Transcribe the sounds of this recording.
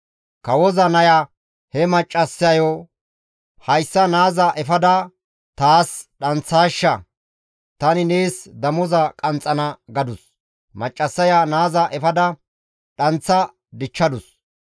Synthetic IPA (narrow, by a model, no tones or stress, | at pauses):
kɐwɔzɐnɐja | hɛmɐt͡ʃʼːɐsːɐjo | hɐjsːɐnaːzɐʔɛfɐd̪ɐ | t̪aːsɗɐnt͡sːaːʃːɐ | t̪ɐnɪneːsd̪ɐmɔzɐkʼɐnt͡sʼːɐnɐɡɐd̪ʊs | mɐt͡ʃʼːɐsːɐjanaːzɐʔɛfɐd̪ɐ | ᶑɐnt͡sːɐ | d̪ɪt͡ʃːɐd̪ʊs